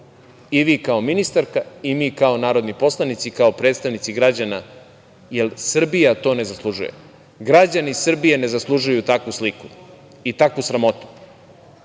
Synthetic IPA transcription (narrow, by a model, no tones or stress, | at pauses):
iʋiːkaominist̪aɾkaimiːkao̞naːɾo̞d̪nipo̞slˠanit̪sikao̞pɾet̪st̪aʋnit̪siɡɾad͡ʑana | jelsr̩bijat̪o̞ːne̞zaslˠuʒujḛ | ɡɾad͡ʑanisr̩bijene̞zaslˠuʒujut̪akʋusliku | it̪akusɾamo̞t̪u̥